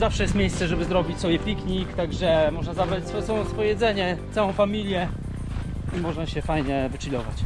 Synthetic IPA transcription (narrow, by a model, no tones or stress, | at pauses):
zafʂɛjɛst̪mʲjejst̪sɛʐɛbɘzɾɔbʲit͡ɕsɔbjɛpʲikɲikt̪aɡʐɛmɔʐnazavɾat͡ɕsfɔjt̪ɔwɔ̃sfɔjɛdzɛɲɛt̪sawɔ̃w̃famʲilʲjɛ | imɔʐnaɕɛfajɲɛvɘt͡ʂilʲɔva̰t͡ɕ